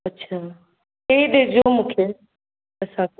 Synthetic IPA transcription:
ɐtːɕʰaː | keiɗed͡ʑomũːkʰeː | ɐsã

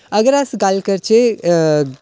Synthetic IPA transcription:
ɐɡəɾasɡalkəɾt͡ʃe

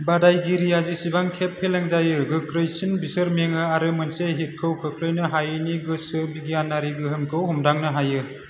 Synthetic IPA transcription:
badajɡiɾijazisibaŋkʰepʰːeleŋzajɯɡɯkʰɾɯjsinbisɯɾmeŋɯaɾɯmɯnseɦit̚kʰɯwkʰɯkʰɾɯjnɯɦajɯniɡɯsɯbiɡijanːaɾiɡɯɦɯmkʰɯwɦumdaŋnɯɦajɯ

